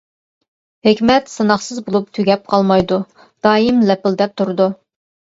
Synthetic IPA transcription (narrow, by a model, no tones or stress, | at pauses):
hɪkʲmɛt̪sɨnɑχsɨzbolˠup̚t̪ʰyɡʲɛp̚qʰɑlˠmɑjd̪u | d̪̥ɑːimlɛpɪld̪ɛp̚t̪ʰuɾd̪u